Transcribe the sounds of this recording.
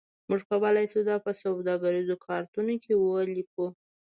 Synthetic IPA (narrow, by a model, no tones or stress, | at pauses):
muʒkawəlajsud̪ɑpəsawd̪ɑɡaɾizokʰɑɾt̪unokʰewəliku